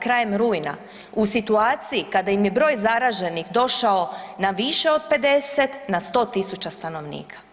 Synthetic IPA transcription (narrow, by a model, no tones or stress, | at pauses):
kɾaːje̞mɾuːjna̰ | usit̪uaːt̪sijikad̪ajimjebɾo̞ːjzaɾaʒe̞nixd̪o̞ʃao̞naʋiʃe̞o̞d̪̚pe̞d̪e̞set̪nast̪o̞ːt̪isut͡ʃast̪ano̞ʋnḭːkʰḁ